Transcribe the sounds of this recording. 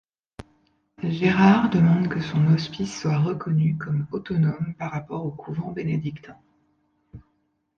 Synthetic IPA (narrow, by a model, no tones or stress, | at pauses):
ʒeʁaʁd̪əmɑ̃d̪kəsɔ̃nɔspisːwaʁəkʰɔnykɔmɔt̪ɔnɔmpaʁːapɔʁokʰuvɑ̃bened̪ikt̪ɑ̃